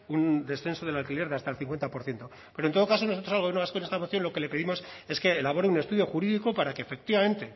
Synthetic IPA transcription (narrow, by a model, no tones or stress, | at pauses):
und̪e̞sθe̞nso̞ðelalkileɾðeast̪aelθiŋkwent̪apo̞ɾθje̞nt̪o̞ | pe̞ɾont̪ookas̬o̞nosot̪ɾosalɣ̞jnoaskonest̪amoθjo̞nlo̞ke̞le̞pe̞ðimo̞se̞ske̞ːlaβ̞o̞ɾeune̞st̪uðjo̞xuɾiðiko̞paɾake̞ːfe̞k̚t̪iβamẽ̞nt̪e̞